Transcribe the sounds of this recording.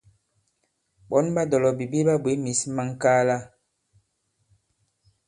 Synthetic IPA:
ɓɔ˨˦nba˦dɔ˨lɔ˨bi˨bi˦ba˦bwe˨˦mi˨˦sma˦ŋ˦ka˦la˦

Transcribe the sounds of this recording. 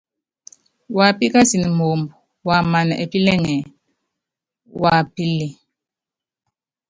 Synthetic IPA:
wa˨pi˦ka˦si˨ni˨mo˨mbu˨ | wa˨ma˨na̰˨ʔe˨pi˦lɛ˦ŋɛ˨ | wa˨pi˦li˨

